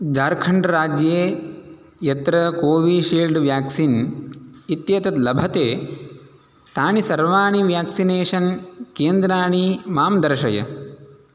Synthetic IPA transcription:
d͡ʒaːɾkʰɐɳɖɐɾaːd͡ʒjeː | jɐt̪ɾɐkoːʋiːʃiːlɖʋjaːksin | it̪jɐːt̪ɐt̪lɐbʱɐt̪eː | t̪aːɳisɐɾʋaːɳiʋjaːksineːʂɐnkeːnd̪ɾaːɳimaːmd̪ɐɾʃɐ̰jɐ̰

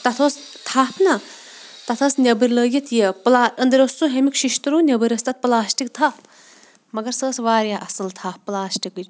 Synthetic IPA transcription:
t̪ɐt̪ʰoːs | t̪ʰaːpʰnɐ | t̪ɐt̪ʰɐːsnʲɐbɨɾʲləːjɐt̪jeplaːɐnd̪ɐɾʲosuɦemikʃiʃt̪ɾuːnʲɐbɨɾʲɐst̪ɐt̪̚plaːsʈik̚t̪ʰap | mɐɡɐɾsəːsʋaːɾaːʔɐsɨlt̪ʰaːpplaːsʈikɨ

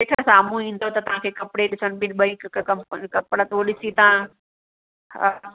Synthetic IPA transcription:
eːkʰəɾsaːmuĩːn̆d̪ot̪ɐt̪ɐʋ̤ãkʰeːkɐpɽeɗɪsənbɪnɓɐikɐmpkɐpɽət̪uoɗɪsit̪ɐã | ha̰

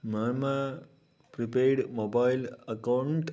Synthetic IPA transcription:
mama | pɾipeːɾɖmobajlɐkawɳʈ

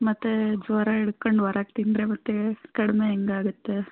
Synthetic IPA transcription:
mɐt̪ːed͡ʒʋɐɾaiɽkoɳɖʋɐɾʔaːɡ̚t̪ind̪ɾemɐt̪ːekɐɽimeeŋɡaːɡut̪ːe

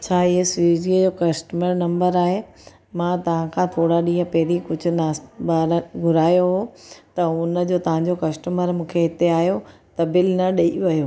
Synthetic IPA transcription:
t͡ɕʰaːɪɦesiziəd͡ʑoːkɐsʈəməɾnɐ̃mbəɾaːɦe | mãt̪ɐʋ̤ãkʰãt̪ʰoːɽaɗĩːɦə̃pɐɦɾikʊd͡ʑʱʊ̆naːsbaːɾɡʱʊɾaːjoɦot̪ɐʊnəd͡ʑoːt̪ɐʋ̤ãɲd͡ʑokɐsʈəməɾmũːkʰeɦɪt̪eaːɦjot̪ɐbɪlnɐɗɐiʋɐjoː

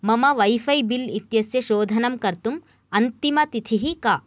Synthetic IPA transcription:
mɐmɐʋɐjfɐjbilit̪jɐsjɐʃoːd̪ʱɐnɐmkɐɾt̪um | ɐnt̪imɐt̪it̪ʰiɦikaː

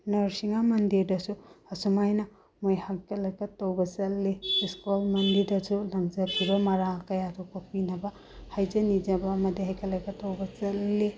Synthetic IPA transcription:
nɐɾsiŋamɐndiɾdɐsuɐsumajnɐ | mojhakʰɐlɐkɐtːɐwbɐzɐlːeiskolmɐndiɾdɐsulɐŋzɐpʰiɾɐmɐɾalkɐjatʰok̚pɐpinɐbɐ | hajd͡ʒɐnid͡ʒɐbɐːmɐdiɦajkʰɐlɐkʰɐtːɐwbɐzɐlːe

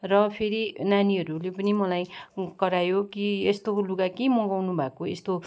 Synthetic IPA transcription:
rʌpʰeɾinaniɦʌɾulepʌnimʌlajkʌɾajokiest̪oluɡakimʌɡawnubʱakoest̪o

